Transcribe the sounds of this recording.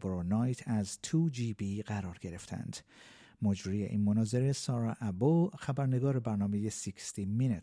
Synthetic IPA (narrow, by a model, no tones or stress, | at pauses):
bɾonɒjt̪ʰæzt̪ʰud͡ʒibiɢæɾɒːɾɡe̞ɾe̞ft̪ʰæ̰nd̪̥ | mod͡ʒɾije̞̰ʔinmonɒːze̞ɾe̞sɒːɾɒʔæboxæbæɾne̞ɡɒːɾebæɾnɒːme̞je̞sikʰst̪ʰimine